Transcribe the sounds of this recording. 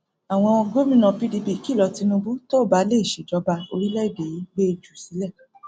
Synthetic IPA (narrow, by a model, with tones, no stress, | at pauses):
a˨w̃ɔ̃˧ɡo˦mĩ˦nɔ̃˨pi˦di˧bi˦˨ki˦˨lɔ˨˧ti˧nũ˧bu˦to˦˨ba˨˦le˦˨ʃe˨d͡ʒɔ˨˦ba˧o̰˧ɾi˦lɛ˦˨ɡe˨i˦be˦˧d͡ʒu˨si˨˦lɛ˦˨